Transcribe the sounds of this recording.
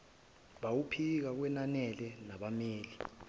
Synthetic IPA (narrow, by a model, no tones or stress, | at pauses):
ɓawupʰik̬ak̬wɛnanɛlɛnaɓameːli